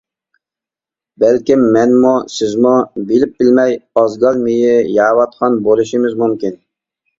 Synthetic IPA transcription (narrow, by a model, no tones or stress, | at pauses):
bælkʲimːɛnmusɪzmubelɪp̚bɪlmɛjɑzɡɑlˠmɪjɪjɑːwɑt̪̚qʰɑnbolˠuʃimɪzmumkʲin